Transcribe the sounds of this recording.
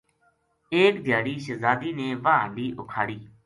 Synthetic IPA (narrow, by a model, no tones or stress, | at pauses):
eːkd̪ʱjaːɽiːʃəzaːd̪iːneːʋãːd̪iːʔʊkʰaːɽiː